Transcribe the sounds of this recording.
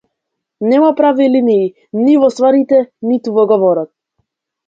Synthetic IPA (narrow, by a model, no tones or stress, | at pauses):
nɛmapɾaviliniː | nivɔst̪vaɾit̪ɛnit̪uvɔɡɔvɔɾɔt̪̚